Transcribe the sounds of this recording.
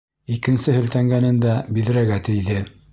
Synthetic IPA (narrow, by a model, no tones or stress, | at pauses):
ikɘ̆nsɘhɘ̆lt̪æŋɡænɘnd̪æbiðɘ̆ɾæɡæt̪ɘ̆jðɘ